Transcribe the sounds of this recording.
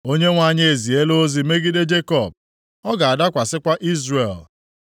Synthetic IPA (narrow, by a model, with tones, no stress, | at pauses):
o˦ɲe˦ŋʷa˦˨ɲe˦e˨zi˨e˦lo˦zi˨me˦ɡi˦de˦d͡ʒe˦kɔ˦˨b̚ | ɔ˦ɡa˨a˨da˦kʷa˨sɪ˦kʷa˦ʔi˦zre˨l